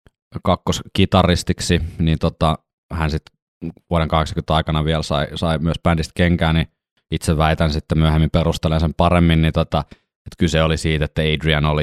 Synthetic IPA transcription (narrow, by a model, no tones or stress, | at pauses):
kɑkːoskit̪ɑrˑist̪iksinint̪ot̪ɑ | hænsit̪ | ʋuoɾeŋkɑheksɑŋkynt̪ɑˑikɑnɑʋielsɑ̰isɑimyøspændist̪̚keŋkæːni | it̪seʋʋæˑit̪ænsit̪ːemyøhemːimperust̪elensempɑremːinnint̪ot̪ɑ | et̪kyseolisiːt̪et̪ːæeidriɑnoli